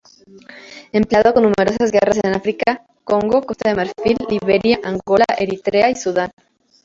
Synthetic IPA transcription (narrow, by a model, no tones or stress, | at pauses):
empleaðoko̞nːume̞ɾo̞sazɣeras̬eenafɾika | ko̞ŋɡo̞ko̞st̪aðemeɾfilːiβe̞ɾjaʔaŋɡo̞laʔe̞ɾit̪ɾeaisuðan